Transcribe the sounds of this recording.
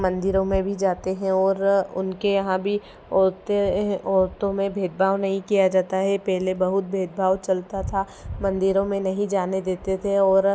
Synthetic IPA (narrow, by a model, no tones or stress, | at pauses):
mɐ̃nd̪ɪɾõmẽbʱid͡ʒaːt̪eɦɛ̃ɔːɾʊ̰nkejɐɦãbʱi | ɔːɾt̪ẽɔːɾt̪õmẽbʱeːd̪̚bʱaːʋnɐɦĩkijad͡ʒaːt̪aɦɛpɛɦlebɐɦʊt̪̚bʱeːd̪̚bʱaːwt͡ʃɐlt̪at̪ʰa | mɐ̃nd̪ɪɾõmẽnɐɦĩd͡ʒaːned̪eːt̪et̪ʰeɔːɾ